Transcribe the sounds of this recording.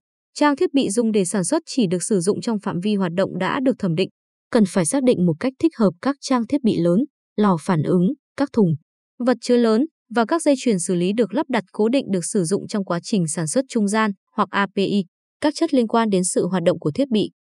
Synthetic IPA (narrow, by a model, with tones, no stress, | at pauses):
t͡ɕaː˧ŋt̪ʰi˦˥t̚ɓḭ˧˨zʊ̰˨˩ŋ͡mɗe˧˩saː˧˩nswə˦˥t̚t͡ɕi˧˩ɗɨ˨˩ək̚sɨ˧˩zʊ̰˧˨ŋ͡mt͡ɕɔ˧wŋ͡mfa̰ː˧˨mvi˧ɦwaː˨˩t̚ɗə̰˧˨wŋ͡mɗa̰ː˧˥ɗɨ˨˩ək̚t̪ʰə˧˩mɗḭ̈˧˨ŋ̟ | kə˨˩nfaː˧˩jsaː˦˥k̚ɗḭ˧˨ŋ̟mo˨˩t̚ka˦˥k̟̚t̪ʰï˦˥k̟̚həː˨˩p̚kaː˦˥k̚t͡ɕaː˧ŋt̪ʰi˦˥ət̚ɓḭ˧˨ləː˨˦n | lɔ˨˩faː˧˩nʔɨ˨˦ŋkaː˦˥k̚t̪ʰʊ˨˩ŋ͡m | və˨˩t̚t͡ɕəː˨˦jləː˨˦n | vaː˨˩kaː˦˥k̚zə˧jt͡ɕwi˧˩ənsɨ˧˩li˨˦ɗɨ˨˩ək̚la˦˥p̚ɗa˨˩t̚ko˨˦ɗḭ̈˧˨ŋ̟ɗɨ˨˩ək̚sɨ˧˩zʊ̰˧˨ŋ͡mt͡ɕɔ˧wŋ͡mkwaː˨˦t͡ɕï˨˩ŋ̟saː˧˩nswə˦˥t̚t͡ɕʊ˧ŋ͡mzaː˧n | hwa˨˩k̚ʔaː˧pe˧ʔi˦˧ | kaː˦˥k̚t͡ɕə˦˥t̚li˧ənkwaː˧nɗe˨˦nsɨ̰˧˨ɦwaː˨˩t̚ɗə̰˧˨wŋ͡mku˧˩ət̪ʰi˦˥ət̚ɓḭ˧˨